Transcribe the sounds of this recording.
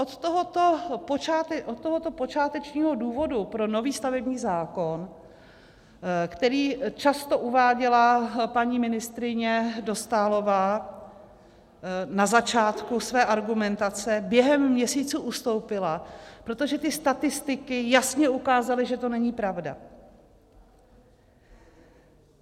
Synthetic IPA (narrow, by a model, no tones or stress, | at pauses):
ʔot̪t̪oɦot̪opot͡ʃaːt̪ɛʔot̪̚t̪ːoɦot̪o̞po̞t͡ʃaːt̪ɛt͡ʃɲiːɦo̞duːvo̞dupɾo̞no̞viːst̪avɛbɲiːzaːko̞n | kt̪ɛɾiːt͡ʃast̪o̞ʔuvaːɟɛlapaɲiːmɪnɪst̪ɾɪɲɛdo̞st̪aːlo̞vaː | nazat͡ʃaːt̪kusvɛːʔaɾɡumɛnt̪at͡sɛbjɛɦɛmːɲɛsiːt͡suʔust̪o̞wpɪlapɾo̞t̪o̞ʒɛt̪ɪst̪at̪ɪst̪ɪkɪjasɲɛukaːzalɪʒɛt̪o̞nɛɲiːpɾavda̰